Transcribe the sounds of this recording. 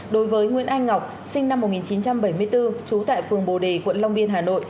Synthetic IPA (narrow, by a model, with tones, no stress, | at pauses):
ɗo˨˦jvəː˨˦jŋwḭ˧˨ənʔa˧jŋ̟ŋa˨˩wk͡p̚ | sï˧ŋ̟na˧mː˨˩t̚ŋi˨˩nt͡ɕi˨˦nt͡ɕa˧mɓə˧˩jmɨ˧əjt̪ɨ˧t͡ɕu˨˦t̪a̰ː˧˨jfɨ˨˩əŋɓo˨˩ɗe˨˩kwə̰˧˨nla˧wŋ͡mɓi˧ənɦaː˨˩no̰˧˨j